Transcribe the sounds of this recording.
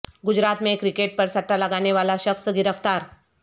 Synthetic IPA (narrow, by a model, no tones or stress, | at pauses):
ɡʊd͡ʒɾaːt̪mẽekɾɪkeːʈ̚pɐɾsɐʈːalɐɡaːneʋaːlaʃəksɡɪɾəft̪aːɾ